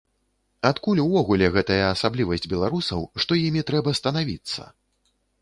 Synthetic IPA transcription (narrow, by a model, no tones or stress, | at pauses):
at̪kulʲwvɔɣulʲɛɣɛt̪ɐjɐːsablʲivɐsʲd͡zʲbʲɛlˠaɾusɐ̰wʂt̪ɔjimʲit̪ɾɛbɐst̪ɐnavʲḭt̪sːɐ̰